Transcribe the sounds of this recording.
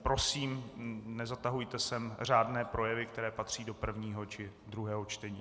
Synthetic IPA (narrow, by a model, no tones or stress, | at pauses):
pɾo̞siːmnɛzat̪aɦujt̪ɛsɛmr̝aːdnɛːpɾo̞jɛvɪkt̪ɛɾɛːpat̪r̝̥iːdo̞pr̩vɲiːɦot͡ʃɪ | d̪ɾuɦɛːɦo̞t͡ʃt̪ɛɲiː